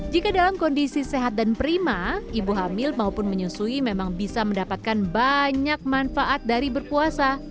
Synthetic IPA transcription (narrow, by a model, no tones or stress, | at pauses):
d͡ʒikadalamkɔndisiseɦat̪̚danpəɾimaibuɦamɪlmaupʊnməɲusuimemaŋbisaməndapat̪̚kanbaɲak̚manfaʔat̪̚daɾibərpuasa